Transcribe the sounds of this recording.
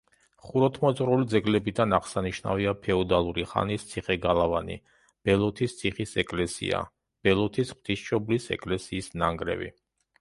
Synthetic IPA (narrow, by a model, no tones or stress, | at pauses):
χuɾɔt̪ʰmɔt̪sʼɾulid̪zɛɡlɛbid̪anaʁsaniʃna̰viapʰɛɔd̪alˠuɾiχa̰nist̪sʰiχɛɡalˠavanḭ | b̥ɛlˠɔt̪ʰist̪sʰiχisɛkʼlɛsḭa̰ | b̥ɛlˠɔt̪ʰisχwt̪ʰisʃɔblisɛ̰kʼlɛsiːsnaŋɡɾɛ̰vḭ